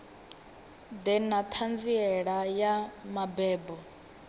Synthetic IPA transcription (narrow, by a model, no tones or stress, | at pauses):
d̪ɛnat̪ʰand͡ziɛɺajamabɛːbɔ